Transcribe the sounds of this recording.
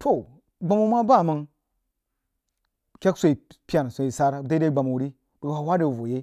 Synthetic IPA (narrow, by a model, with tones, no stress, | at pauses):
tʰo˨ | ɡ͡ba˨mu˦ma˦ba˦˨mə˦n | kʲe˦ksʷo˨i˨pi˦a˨n˨so˨i˨sa˦ɾa˦da˦da˦ɡ͡ba˨mu˨wɾi˦ | b̥ə˨ɡa˨wa˦da˨vo˨je˦